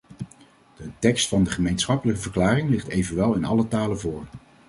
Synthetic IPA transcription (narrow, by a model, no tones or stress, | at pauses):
d̥ətɛkstfɑndəχəmejnsχɑpələkəvəɹklaːrɪŋlɪχtejvənʋɛlˠɪnɑ̰lətaːləvʊːɹ